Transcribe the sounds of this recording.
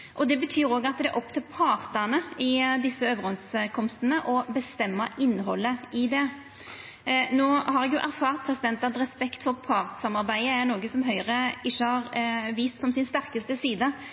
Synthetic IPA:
ʔɔd̪ɛbət̪ʰyːɾoːɡəɑt̪d̪ɛ̰ʔɔpt̪ʰɪlpʰɑːʁt̪ɑnəɪd̪ɪsːəøːʋəɾɛnskʰɔmst̪ənəʔɔbəst̪ɛmːəʔɪnːɦɔlːəɪd̪ɛ | noːhɑɾɛɡjʊʔæɾfɑːʁt̪̚pʰɾɛsɪd̪ɛnt̪ɑd̪ɾɛspɛkt̪fɔʁpʰɑːʁt̪sɑmɑɾbæɪəæɾnoːɡəsɔmɦœʏʁəɪçːəhɑɾʋiːst̪sɔmsɪnst̪æɾkəst̪əsiːd̪ə

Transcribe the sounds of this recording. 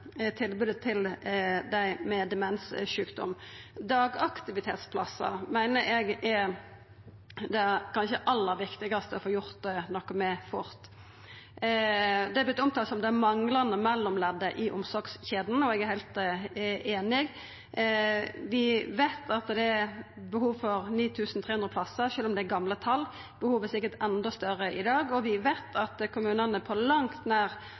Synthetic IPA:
t̪ʰɪlbʉːd̪ət̪ʰɪld̪æɪmɛd̪ɛmɛnsʂʉːkd̪ɔ̰md̪ɑːɡɑkt̪ɪʋɪt̪ʰeːt̪spʰlɑsːɑ̰mæɪnəɾɛɡæɾ | d̪ɛkʰɑnçəʔɑlːəɾʋɪkt̪ɪɡɑst̪əɔfoːjʊɾt̪̚ɛnɔkːəmɛfʊɾt̪ | d̪ɛæblɪt̪ːɔmt̪ʰɑːlsɔmd̪ɛæmɑŋlɑnəmɛlːɔmlɛd̪ːəʔɪʔɔmsɔɾɡsçeːd̪n̩ɔɛɡæɾhæɪlt̪ | eːnɪɡ | ʋɪʋæɪt̪ʰɑt̪d̪ɛæ | bəhuːʋfɔɾniːt̪ʰʉːsn̩t̪ʰeːʉnd̪ɾəpʰlɑsːəʃøːlɔmd̪ɛːɾɡɑmlət̪ʰɑlː | b̥əhuːʋəsɪkːəɾt̪ɛnd̪ɔst̪œɾəʔɪd̪ɑːɡɔʋɪʋæɪt̪ʰɑt̪kʰʊmʉːnənəpʰɔlɑŋt̪næːɾ

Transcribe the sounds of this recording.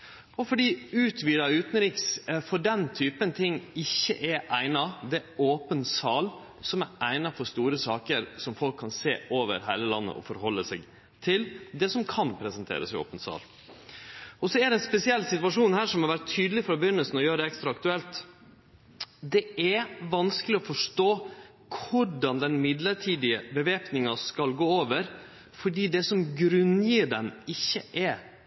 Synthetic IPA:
ɔfɔɖiːʉːt̪ʰʋiːlɑʉːt̪nəɾiːksfɔɖɛnt̪ʰyːpənt̪ʰɪŋːɪçːə̰ʔɛɾʔæɪnɑd̪ɛoːpənsɑːl | sɔmæɾæɪnɑfɔɾst̪uːɾəsɑːkəɾsɔmfɔlkʰːɑnseːoːʋə̰ɾɦæɪləlɑnːə̰ʔɔ̰fɔɾɦɔlːəsɛɡ | t̪ʰɪld̪ɛsɔmkʰɑnpʰɾɛsɛnt̪ʰḛːɾə̰sɪo̰ːpənsɑ̰ːl | ʔɔsɔæd̪ɛɛnspɛsɪɛlːsɪt̪ʋɑʂuːnhæːʂɔmhɑɾʋæɾtt̪ʰːyːd̪lɪfɾɑbəjʏnːəlsn̩ɔjøːɾəd̪ɛɛkst̪ɾɑɑk̚t̪ʉɛlt̪ | d̪ɛɛʋɑnskəlɪɔfɔʂʈoː | kʰʊɖɑnd̪ɛnmɪd̪ləɾʈʰiːd̪ɪəbəʋeːpnɪŋɑskɑlɡoːoːʋəɾ | fɔɖiːd̪ɛsɔmɡɾʉnjiːɖɛnɪçːəʔɛ

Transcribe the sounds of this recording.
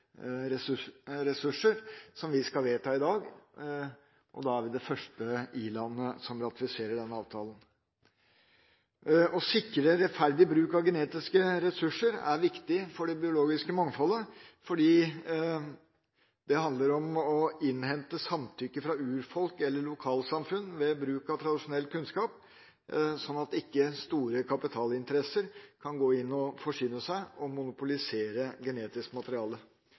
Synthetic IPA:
ɾɛsɾɛsʉʂəɾsɔmʋɪskɑlʋeːt̪ʰɑːɪd̪ɑːɡ | ʔɔ̰d̪ɑæɾʋɪd̪ɛfœʂʈəiːlɑnːəsɔmɾɑt̪ɪfɪseːɾəɖɛnːəɑːʋt̪ʰɑːlən | ɔsɪkːəɾəɾɛt̪fæɾd̪ɪbɾʉːkɑʋɡəneːt̪ɪskəɾɛsʉʂəɾæ̰ɾʋɪkt̪ɪfɔɖɛbɪʊloːɡɪskəmɑŋfɔlːəfɔɖiː | d̪ɛhɑnd̪ləɾɔmɔɪnhɛnt̪əsɑmt̪ʰʏkːəfɾɑʉːɾfɔlkɛlːəɭʊkʰɑːlsɑmfʉnːʋɛbɾʉːkɑt̪ʰɾɑd̪ɪʂʊnɛlːkʰʉnskɑːp̚ | sɔnːɑt̪ɪkːəst̪uːɾəkʰɑpɪt̪ʰɑːlɪnt̪əɾɛsəɾkʰɑnɡoːɪnːɔfɔʂʏnəsæɪɔmʊnʊpʊlɪseːɾəɡɛneːt̪ɪskəmɑt̪əɾɪɑːlə

